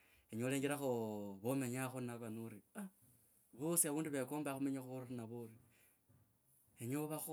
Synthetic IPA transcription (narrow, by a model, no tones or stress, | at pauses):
eɲoleŋɡeɾaxoβomeɲaxonaβanuɾia | βosiaβuːnduβekoːmbaxumeɲaxurinaβoɾi | eɲoβax